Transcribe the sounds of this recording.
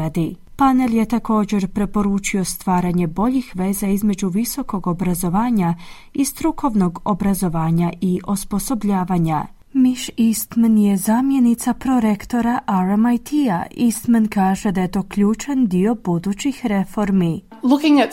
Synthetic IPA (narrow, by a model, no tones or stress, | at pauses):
ad̪i | pane̞lje̞t̪ako̞ːd͡ʑe̞ɾpɾe̞po̞ɾuːt͡ʃio̞st̪ʋaːɾaɲe̞bo̞ʎixʋe̞ːzaizme̞d͡ʑuʋiso̞ko̞ɡo̞bɾazo̞ʋaːɲa | ist̪ɾukʰo̞ʋno̞ɡo̞bɾazo̞ʋaːɲaʔiʔospo̞so̞bʎaːʋaɲa | miʃist̪menje̞zaːmje̞nit̪sapɾo̞ɾe̞kt̪o̞ɾaʔaɾamajt̪ʰiaist̪menkaːʒe̞d̪aje̞t̪o̞ːkʎuːt͡ʃand̪io̞bud̪ut͡ɕixɾe̞fo̞ɾmi | lʊkɪ̃ŋæt